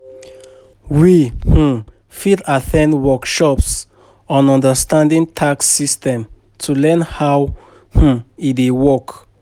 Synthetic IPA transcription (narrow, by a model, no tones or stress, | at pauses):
wihũ | fidatʰɛ̃ndwɔkʃɔps | ɔ̃nɔ̃ndəstãndĩŋtʰaksistɛ̃m | tʰulɛ̃nhaw | huidewɔk